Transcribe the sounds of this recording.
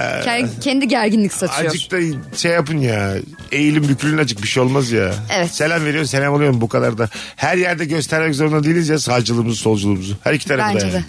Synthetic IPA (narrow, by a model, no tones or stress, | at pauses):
cʰɛnd̪iɟæɾɟinlʲicsat̪ʰaod͡ʒɯk̚t̪aʃejːapɯnjaː | e̞jilʲimbycʰlʲynnad͡ʒʰɯk̚biʃejo̞lˠmazjaevɛse̞lʲæmveɾijo̞ɾums̬elʲæmolˠujo̞ɾmbukʰad̪aɾd̪ahæɾjæɾd̪ɛɟø̞st̪ʰæɾmɛc̬zo̞ɾund̪ad̪ejilʲinizjasaːd͡ʒɯlˠɯːmuzuso̞lˠd͡ʒulˠɯːmuzuhæɾicʰi̥t̪ʰaɾafd̪aa